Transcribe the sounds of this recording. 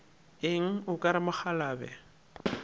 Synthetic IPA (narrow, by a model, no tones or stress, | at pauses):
ɪŋ̩ʊkʼaɾɪmaχalaːbɛ̰